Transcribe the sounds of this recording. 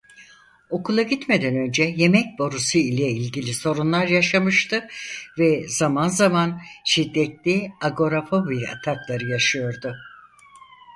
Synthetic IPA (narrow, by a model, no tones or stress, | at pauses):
o̞kʰulˠaɟit̪me̞d̪ænø̞nd͡ʒɛje̞mɛc̚bo̞ɾusuilʲɛilʲɟilʲiso̞ɾunlˠaɾjaʃamɯʃt̪ʰɯvɛz̥amanzamanʃid̪ːɛt̪lʲiaɡo̞ɾafobiɾa̰t̪ʰak̪lˠaɾɯjaʃɯjo̞ɾd̪ʊ